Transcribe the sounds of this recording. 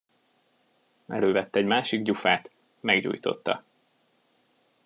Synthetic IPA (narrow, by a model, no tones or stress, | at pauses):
ɛløːvɛt̪ːɛɛɟmaːʃiɡɟufaːt̪ | mɛɡɟṵːjt̪o̞̰t̪ːɒ̰